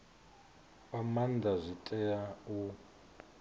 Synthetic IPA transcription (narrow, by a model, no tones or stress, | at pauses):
βamand̪azʷitʼɛjau